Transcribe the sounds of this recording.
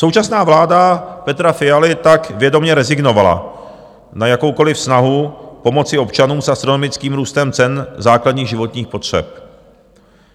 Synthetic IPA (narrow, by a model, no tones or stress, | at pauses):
sowt͡ʃasnaːvlaːdapɛt̪ɾafɪalɪt̪akvjɛdo̞mɲɛɾɛzɪɡno̞vala̰ | najako̞wko̞lɪfsnaɦupo̞mo̞t͡sɪo̞pt͡ʃanuːmsʔast̪ɾo̞nomɪt͡skiːmɾuːst̪ɛmt͡sɛnzaːkladɲiːɣʒɪvo̞t̪ɲiːxpo̞t̪r̝̥ɛ̰p̚